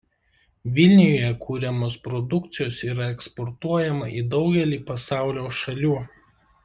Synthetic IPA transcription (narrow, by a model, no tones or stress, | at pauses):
ʋʲɪlʲnʲɪjoːjɛkʰuːɾʲɛmoːspɾɔd̪ʊkt̪sʲɪjoːsiːɾɐɛkspɔɾt̪uɔjɛmɐʔiːd̪ɒʊɡʲɛlʲiːpɐsɑˑʊlʲoːʃɐlʲuː